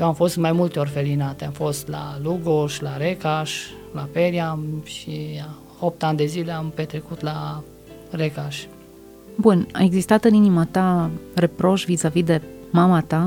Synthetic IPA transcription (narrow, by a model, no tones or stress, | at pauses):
jewamfo̞st̪majmult̪eo̞rfe̞linat̪eamfo̞st̪la̰luɡoʃlaɾekaʃ | lapeɾijamʃi | op̚t̪anʲd̪e̞zile̞ampet̪ɾekut̪la | rekaʃ | buna̰e̞ɡzist̪at̪ɨninimat̪are̞pɾo̞ʃvizavid̪e̞mamat̪a